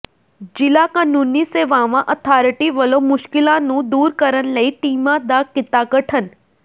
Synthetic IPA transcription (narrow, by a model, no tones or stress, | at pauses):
d͡ʒɪlakanuniseʋaʋãʔət̪ʰaɾʈiʋəlomʊʃkɪlãnũd̪uːɾkəɾənləiʈimãd̪akɪt̪aɡəʈʰən